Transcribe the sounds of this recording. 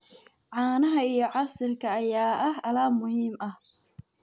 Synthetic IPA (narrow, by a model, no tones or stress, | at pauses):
ʕɑːnɐɦɐijɞʕɑsɪlkʰɐːjaːʔɐhɐlaːmʊhiːmʔɐh